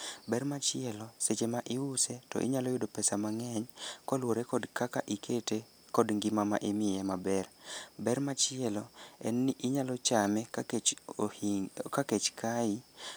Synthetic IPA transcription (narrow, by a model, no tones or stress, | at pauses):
bɛrmat͡ʃɪɛlɔset͡ʃemaʔɪwʊsetɔ̰ʔɪ̰ɲalɔjʊdopɛsamaŋɛɲkɔlwoɾekɔdkakaʔikʰete | kɔdŋɡɪmama̰ʔɪmɪɛmabɛrbɛrmat͡ʃɪɛlɔɛ̰nːiʔɪɲalɔt͡ʃamɛkaet͡ʃ | kaket͡ʃkʰaɪ